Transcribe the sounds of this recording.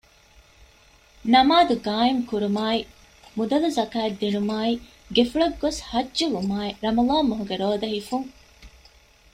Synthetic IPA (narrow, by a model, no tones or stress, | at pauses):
nɐmaːd̪uɡaːimkuɾumaːi | mud̪ɐluzɐkaːed̪ːiɳumaːi | ɡefuɭɐɡːoshɐdd͡ʒulumaːiɾɐmɐlaːmːoɦuɡeɾoːd̪ɐɦifuŋ